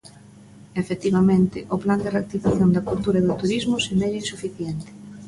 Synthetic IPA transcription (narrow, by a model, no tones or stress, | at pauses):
efet̪iβamẽnt̪ɪʔʊpland̪ɪreak̚t̪ifaθjond̪ɐkult̪uɾɐeðʊt̪uɾizmʊsemɛʎisufiθjɛnt̪ɪ̥